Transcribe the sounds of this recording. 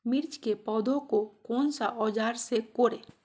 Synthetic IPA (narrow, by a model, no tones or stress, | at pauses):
mɪɾt͡ʃkepɔːd̪õkokɔːnsaʔɔːd͡ʒaːɾsekoːɾeː